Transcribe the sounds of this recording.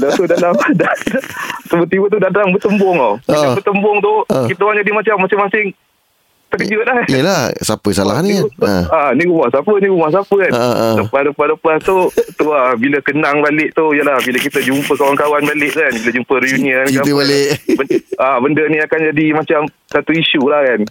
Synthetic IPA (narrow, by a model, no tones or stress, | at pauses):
lat̪udalamdadasəbət̪iwət̪udadaŋbət̪əmbɔŋaabət̪əmbʊŋt̪ʊhkit̪aakand͡ʒadimat͡ʃamːasɪŋmasɪŋ | t̪əkəd͡ʒəlahiəlahsapəsalaɦanianiɾumahsapənĩɾumahsapəkanləpahləpahləpast̪ut̪uabiləkənaŋbalɪʔt̪ujəlahbiləkit̪əd͡ʒumpəkawankawanbalɪʔkanbilad͡ʒumpərjuniənkat̪ibalɪʔbəabəndəniakand͡ʒadimat͡ʃam | sat̪uiʃulahkan